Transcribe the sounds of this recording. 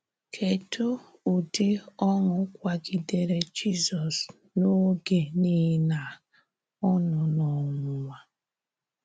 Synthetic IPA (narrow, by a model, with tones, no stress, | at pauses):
kʰe˨tʰo˦ | u˨de˦ɔ˦ŋʊ˨˦kʷa˨ɡi˨de˨ɾe˦d͡ʒi˦zɔ˨s | no˦ɡe˨ni˦na˨ | ɔ˦nʊ˨nɔ˨ŋʷʊ˨ŋa˦